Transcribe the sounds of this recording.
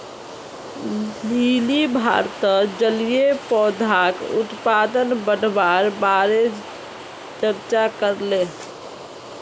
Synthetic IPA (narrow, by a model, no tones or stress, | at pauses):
nilibʱa̰ɾt̪əd͡ʒəlijepɔd̪ʱakut̪pad̪ənbəɽbaɾbaɾed͡ʒ | t͡ʃəɾt͡ʃakəɾle